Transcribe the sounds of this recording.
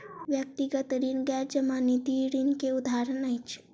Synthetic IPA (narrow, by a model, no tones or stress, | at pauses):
ʋjək̚t̪iɡət̪ɾinɡɛɾd͡ʒəmãnit̪iɾinkeud̪ʱaɾənəjt͡ʃʰe̥